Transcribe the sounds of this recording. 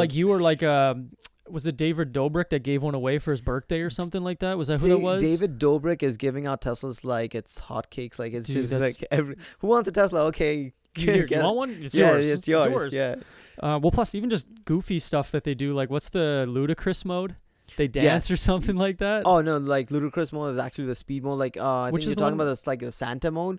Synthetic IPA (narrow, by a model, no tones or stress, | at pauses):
laɪk̬jɨə˞laɪkʌ | wʌzɨt̚d̥eɪvɨdoʊbɹɨk̚ðɨt̚ɡ̥eɪvwʌ̃ñəweɪfə˞ɨzbɜ˞k̚d̥eɪə˞sʌ̃mθɪ̃ŋlaɪk̚ðæt̚wʌzɨɦuðət̚wʌzeɪvɨdoʊbɹɪkɨzɡɪvɪ̃ŋaʊtʰɛsl̩ˠzlaɪkɨtshɑ̰t̚kʰeɪkslaɪkɨtd͡ʒʌsælaɪkɛvɹhuwɑ̃ntsətʰɛsl̩ˠəoʊkʰeɪ | ɛ̃wʌ̃nɨtsjjɔzɪsjɔjɔɹzjæ | ʔʌwɛlˠpʰl̥ʌsivn̩d͡ʒʌsɡ̥ufistʌfðɨt̪̚ðeɪdɨlaɪkwʌtsðɨluɾɨkʰɹ̥ɪsmoʊd̥̚ | ðeɪdæj̃nsə˞sʌ̃mθɪ̃ŋlaɪk̚ðæt̚oʊnoʊlaɪkluɾɨkʰɹ̥ɪsmoʊɾɨzæ̰k̚t͡ʃʉl̩ˠiðɨspid̚mɔʊlaɪkʌaɪwɨɪ̃t͡ʃkɨzjətðətɔkɪ̃ŋəbaʊt̚ðəslaɪk̚ðɨsæ̰̃ntɨmõʊd